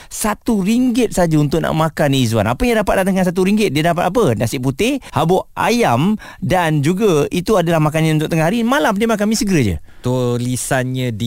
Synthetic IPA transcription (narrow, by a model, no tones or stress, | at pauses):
sat̪uɾiŋɡɪt̪̚sad͡ʒaunt̪ʊʔ̚nʔa̰ʔmãkaniizua̰napəjaŋdapat̪̚at̪əŋansat̪̬uɾiŋɡɪt̪̚diədap̬at̪ap̬ənasɪʔput̪ɪhabɔʔʔa̰jam | dand͡ʒuɡait̪uadalahmak̬anɲãunt̪ʊk̚t̪əŋahɦaɾimalampənemak̬amĩsəɡəɾəd͡ʒə̰t̪ulisanɲãdi